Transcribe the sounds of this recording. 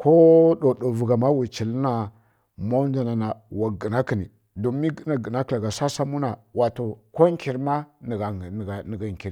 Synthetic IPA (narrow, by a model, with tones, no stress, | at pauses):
ko˦ɗo˨ɗo˨vu˨ɡa˨ma˦wi˨t͡ʃi˨lna˨ | ma˦n˦da˨na˨na˨wa˨ɡi˨na˦ki˨ni˨ | do˨mi˦ɡna˨ɡə˨na˦kla˨ɡa˨sa˦sa˦mu˦na˨wa˨to˨ko˦ŋki˨ɾma˦n˨ɡa˨ɡn˨ɡa˨ŋ˨ki˨ɾi˨